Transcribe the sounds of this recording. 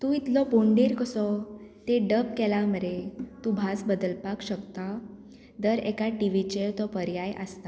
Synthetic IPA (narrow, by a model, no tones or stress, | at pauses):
t̪ũit̪lɔpoɳɖiɾkəsɔt̪eɖəpkɛlaməɾet̪ũbʱasbəd̪əlpakɕəkt̪a | d̪əɾɛkaʈiʋit͡ɕet̪ɔpəɾjajʔə̰st̪a